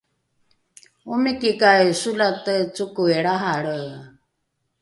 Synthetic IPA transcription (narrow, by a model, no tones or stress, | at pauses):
umikikajsulat̪ət͡sukueɺaɦaɽə